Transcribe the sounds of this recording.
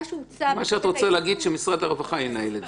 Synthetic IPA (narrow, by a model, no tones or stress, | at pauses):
maʃeat̪ʁot͡selɛːɡid̪ʃemisʁad̪aʁvaχajinaeled̪